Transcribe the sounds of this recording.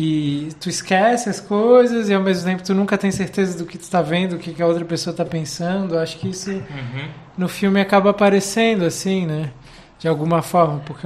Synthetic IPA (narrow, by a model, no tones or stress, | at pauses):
ɪt̪uɪskɛsɪɐskojzɐzɪawmezmʊt̪ẽmpʊt̪unũkɐt̪ẽj̃seɾt̪ezɐd̪ʊkɪt̪u̥t̪avẽnd̪ʊʊkɪkɪɐowt̪ɾɐpesoɐt̪apẽsɐ̃d̪ʊaʃʊ̥kɪisʊ | nʊfiwmɪakabɐpaɾesẽnd̪ʊasĩnɛ | d͡ʒɪawɡũmɐfɔɾmɐpʊɾke